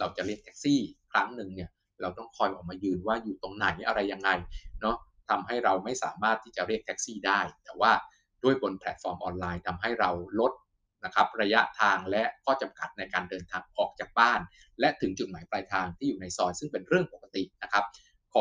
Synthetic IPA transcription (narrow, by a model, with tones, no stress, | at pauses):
ɾa˧wt͡ɕa˨˩ɾi˥˩ət̪ʰɛ̥ː˦˥k̚siː˥˩kʰɾa˦˥ŋnɯ˨˧ŋni˥˩ɐ | ɾa˧wt̪ɔ˥˩ŋkʰɔː˧jʔɔː˨˩k̚maː˧jɯː˧nwaː˥˩juː˨˩t̪o˧ŋna˩˦jʔa˧ɾa˧jːa˧ŋːa˧jnɔ˦˥ | t̪ʰa˧mɦa˥˩jɾa˧wma˥˩jsaː˩˦maː˥˩t̪ʰːiː˥˩t͡ɕa˨˩ɾi˥˩ək̚t̪ʰɛ˦˥k̚siː˥˩daː˥˩jt̪ɛː˨˩waː˥˩ | d̥u˥˩əjbo˧npʰɛ˨˩t̪̚fɔː˧mʔɔ̰ː˧nlaː˧jt̪ʰa˧mɦa˥˩jɾa˧wlo˦˥t̪̚ | na˦˥kʰa˦˥p̚ɾa˧ja˦˥ʔt̪ʰaː˧ŋlɛ˦˥ʔkʰɔː˥˩t͡ɕa˧mka˨˩t̪̚na˧jkaː˧ndɤː˧nt̪ʰaː˧ŋʔɔː˨˩k̚t͡ɕaː˨˩k̚baː˥˩n | lɛ˦˥t̪ʰɯ˩˦ŋt͡ɕu˨˩t̪̚maː˩˦jplaː˧jt̪ʰaː˧ŋt̪ʰiː˥˩juː˨˩na˧jsɔː˧nsɯ˥˩ŋpe˧nɾɯ˥˩əŋpo˨˩kːa˧t̪i˨˩na˦˥kʰa˦˥p̚ | kʰɔː˨˦